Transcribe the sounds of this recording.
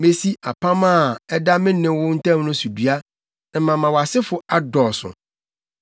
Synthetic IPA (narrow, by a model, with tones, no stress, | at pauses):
mẽ˦˨si˦a˨pʰã˦mã˦˨ɛ˦da˦mɪ̃˦nɪ̃˦wʊ˦n̩˦tʰɛ̃˦mnʊ̃˦su˨du˨a˦ | nɪ̃˨mã˨mã˨wɔ˨a˨sɪ˦fʊ˨a˦dɔ˨sʊ̰̃˨